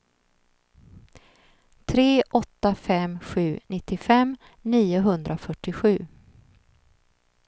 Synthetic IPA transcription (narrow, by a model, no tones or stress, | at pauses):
t̪ʰɾeːʔɔt̪ːafɛmɧʉ̟ːnɪt̪ːɪfɛm | niːʊɦɵnd̪ɾʔafœʈːɪɧʉ̟ː